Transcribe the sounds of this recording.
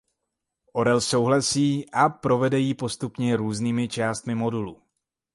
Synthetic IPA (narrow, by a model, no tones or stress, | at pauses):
ʔo̞ɾɛlso̞wɦlasiːʔapɾo̞vɛdɛjipo̞st̪upɲɛɾuːzniːmɪt͡ʃaːst̪mɪmo̞dulu